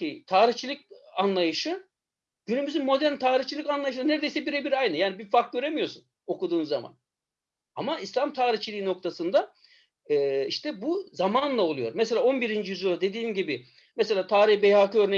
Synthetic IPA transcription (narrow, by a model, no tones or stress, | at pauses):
it̪ʰaːɾiçt͡ʃʰilʲˠic̚anlˠajɯʃɯ | ɟ̥ynymyzynmo̞d̪æɾnt̪ʰaːɾiçt͡ʃʰilʲicanlˠajɯʃ̬ɯɯnæɾed̪ejsɛbiɾɛbiɾajnɯjaːnibiɾfaɾk̚ɟø̞ɾemijo̞ɾsun | o̞kud̪uːnzama̰n | a̰maislʲamt̪ʰaːɾiht͡ʃʰilʲiːino̞k̚t̪ʰasɯnd̪a | ɛːiʃt̪ʰɛbuzamanlˠaolˠujo̞̰ɾmɛs̬elʲaːo̞nbiɾind͡ʒijyzoɾad̪e̞d̪iːmɟibi | mɛse̞lʲaːt̪ʰaːɾiçbejhakɯø̞ɾne